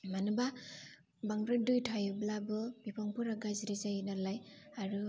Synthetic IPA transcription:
manɯba | baŋɾadujtʰajublabɯb̥ipʰɔŋpʰuɾaɡazɾizajinalajaɾu

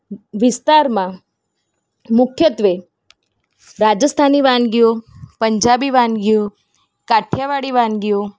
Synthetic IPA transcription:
ʋɪst̪aɾmã | mʊkʰjət̪ʋe | ɾad͡ʒəst̪ʰaniʋãnɡijopəɲd͡ʒabiʋãnɡijo | kaʈʰjaʋaɽiʋãnɡijo

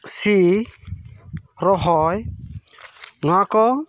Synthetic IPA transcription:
si | ɾɔɦɔj | nɔwakɔ

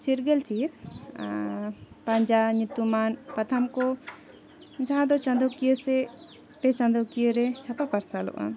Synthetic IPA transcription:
t͡ʃiɾɡɛlt͡ʃʰiɾ | pɐɲd͡ʒaɲut̪umanpɐt̪ʰəmkɔ | d͡ʒaɦãd̪ɔt͡ʃɐ̃nd̪ɔkijəsɛ | ʈɛt͡ʃɐ̃nd̪ɔkijəɾɛt͡ʃʰapapɐɾsalɔ̰ʔa̰

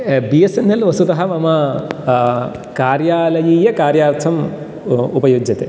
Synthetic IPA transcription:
bijesenːelʋɐsut̪ɐɦɐʋɐmɐ | kaːɾjaːlɐjiːjɐkaːɾjaːɾt̪ʰɐm | upɐjuːd͡ʒjɐt̪e

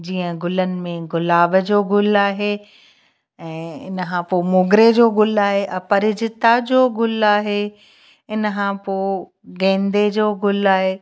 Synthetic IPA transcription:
d͡ʑiːə̃ɡʊlənɪ̆mẽɡʊlaːbəd͡ʑoːɡʊlaːɦe | ɛ̃ːɪnəkʰãpoːmʊːɡɾed͡ʑoːɡʊlaːɦeʔɐpɐɾɪd͡ʑɪt̪ad͡ʑoːɡʊlaːɦe | ɪnəkʰãpoː | ɡẽːnd̪ed͡ʑoːɡʊlaːɦeː

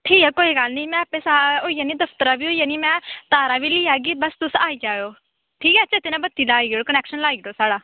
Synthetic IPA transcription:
ʈʰiːkɛːkoːiːɡəlniːmɛ̃ːaːpeːsaoːijaːniːd̪əpʰt̪əɾaːʋiːɦoːijaːniːmɛ̃ːt̪aːɾaːʋiːliːaːɡiːbəst̪ʊsaːiːd͡ʒaːjoː | ʈʰiːkɛːt͡ʃʰaːt̪ɪnãːbət̪ːiːlaːiːɡoɽokənɛːkʃənlaːiːɡɾoːsaːɽaː

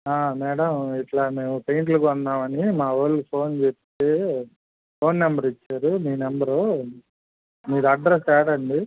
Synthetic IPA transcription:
aːmɛːɽɐmiʈlaːme̞ːwupejɳʈ̬lukɐnd̪aːmɐnimaːʋɐlːupʰo̞ːnt͡ʃept̪eː | pʰo̞ːnːembɐɾit͡ʃːaːɾumiːnɛmbɐɾoː | miːɾuɐɖɾesɛːɽɐɳɖi

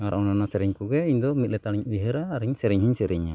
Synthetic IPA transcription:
ŋaɾɔŋnanasɛɾiŋkuɡɛiɲd̪ɔmit̪lɛt̪aliɲbiɦɛɾaːɾiɲsɛɾiŋɦiɲsɛɾiɲa

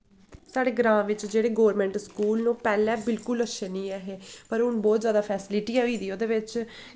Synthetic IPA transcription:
saːɖeːɡɾãːʋɪt͡ʃd͡ʒeːɽeːɡoːɾmɛ̃ːɳʈskuːlnũːpɛːlɛ̃ːbɪlkʊləʃʰeːnĩːɛɦeːpəɾɦʊnbɔːt̪zjaːd̪aːpʰɛːsɪlɪʈiːɛːɦoiːd̪iːoːd̪eːʋɪt͡ʃ

